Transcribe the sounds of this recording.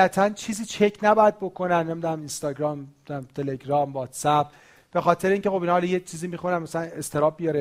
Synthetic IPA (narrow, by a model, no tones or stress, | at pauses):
æt̪ʰænt͡ʃʰiːziːt͡ʃʰecʰnæbɒːjæd̪̚bo̞kʰo̞nænːemid̪unæminst̪ɒːɟɾɒːmid̪æmt̪ʰe̞le̞ɡɾɒːmvɒːt̪sæb̚ | b̥e̞xɒːt̪ʰe̞ɾeiːŋcʰexo̞binɒɒljet͡ʃʰiːziːmixunænmæsælæne̞st̪ʰe̞ɾɒːb̚bijɒɾe